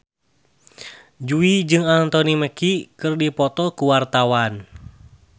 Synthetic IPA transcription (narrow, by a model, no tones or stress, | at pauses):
d͡ʒuid͡ʒɨŋant̪ɔniməkikɨrdipɔt̪ɔkuwart̪awan